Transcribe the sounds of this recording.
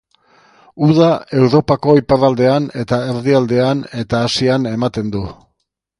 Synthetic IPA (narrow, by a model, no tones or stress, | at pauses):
uð̞ae̞wɾo̞pako̞iparald̪e̞ane̞t̪ae̞ɾðiald̪e̞ane̞t̪aːsiane̞mat̪e̞nd̪u